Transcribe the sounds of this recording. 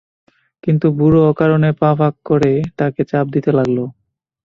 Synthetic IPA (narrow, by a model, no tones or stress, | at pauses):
kint̪ubuɾoɔkaɾonepãbʱakːoɾet̪aket͡ɕap̚d̪it̪elaɡlo